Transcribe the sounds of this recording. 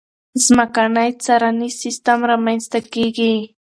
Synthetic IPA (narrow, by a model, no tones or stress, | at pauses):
smakanajt͡saɾanisɪst̪amɾamanst̪akikiː